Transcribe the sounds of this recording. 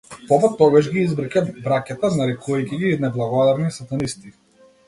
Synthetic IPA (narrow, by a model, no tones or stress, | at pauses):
pɔvat̪ɔɡaʒɡʲiizbɾakʲabɾakat̪anaɾɛkɔicʲɛɡinɛblˠaɡɔd̪aɾnisat̪anist̪i